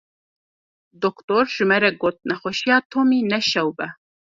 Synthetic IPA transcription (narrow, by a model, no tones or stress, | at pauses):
d̪okt̪oːɾʒ̥ɨmɛɾɛɡoːt̪̚nɛxʷɛʃijɑːt̪ʰoːmiːnɛʃɛwbɛ